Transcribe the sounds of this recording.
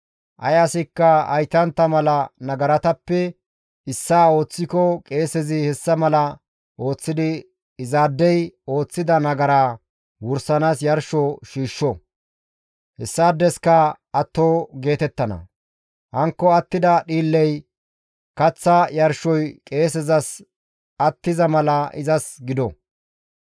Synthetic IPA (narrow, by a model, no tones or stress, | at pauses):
ʔɐ̰jɐsɪkːɐɐ̰jt̪ɐnt̪ːɐmɐlɐnɐɡɐɾɐt̪ɐpːɛ | ɪsːaːo̞ːt͡sːɪkɔkʼe̞ːsɛzɪhɛsːɐmɐlɐ | ʔo̞ːt͡sːɪd̪ɪ | ɪzaːd̪ːɛjo̞ːt͡sːɪd̪ɐnɐɡɐɾaː | wʊɾsɐnaːsjɐɾʃɔʃiːʃːɔ | hɛsːaːd̪ːɛskɐ | ɐt̪ːoːɡe̞ːt̪ɛt̪ːɐnɐ̰ | hɐŋkːɔɐt̪ːɪd̪ɐɗiːlːɛj | kɐt͡sːɐjɐɾʃɔjkʼe̞ːs̬ɛzɐs | ɐt̪ːɪzɐmɐlɐʔɪ̰zɐsɡɪd̪ɔ